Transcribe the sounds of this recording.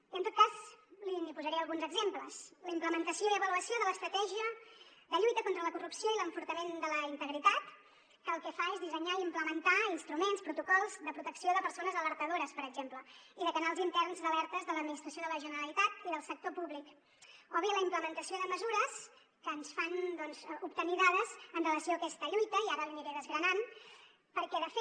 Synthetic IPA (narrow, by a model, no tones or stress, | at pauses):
ənt̪ot̪kazlilipuzəɾiəːlˠɣunzəɡzempləsləimpləmənt̪əsioiəβəluəsioðələst̪ɾət̪ɛʒiə | ðəʎujt̪əkont̪ɾələkurupsioiləɱfuɾt̪əmend̪ələint̪əɣɾit̪at̪ | kəːlˠkɛfaezðizəɲaimpləmənt̪ainst̪ɾumenspɾut̪ukɔlˠzd̪əpɾut̪əksioðəpəɾsonəzələɾt̪əðoɾəspəɾəɡzempləiðəkənalˠzint̪ɛrnzðəlɛɾt̪əzðələd̪minist̪ɾəsioðələʒənəɾəlit̪at̪iðəlˠsək̚t̪opuβlik | ɔβeləimpləmənt̪əsioðəməzuɾəs | kəːnsfand̪ɔnzupt̪əniðaðəzənrələsioəkɛst̪əʎujt̪əiaɾəliniɾeðəzɣɾənan | pəɾkɛðəfe